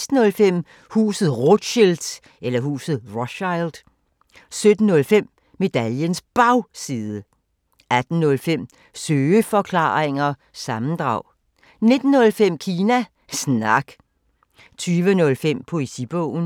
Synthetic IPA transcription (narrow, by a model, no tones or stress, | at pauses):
sd̥n̩ɔ̽lfem̰ | hṵːsð̩ˠʁod̥ɕeld̥ | elɐɦṵːsð̩ˠʁɔɕɑɪld̥ | sød̥n̩ːɔ̽lfem̰ | me̝d̥æljənsb̥ɑ̈ʊsiːðˠə | æd̥n̩nɔ̽lfem̰ | søːəfɒ̽kʰlɑ̰̈ːʁeŋɐ | sɑ̈mn̩d̥ʁɑ̈ʊ̰ | ne̝d̥n̩ːɔ̽lfem̰kʰiːnæ | snɑ̈ɡ̥ | t͡sʰyːʋənɔ̽lfem̰pʰo̝esib̥ɔ̰ʊ̰n̩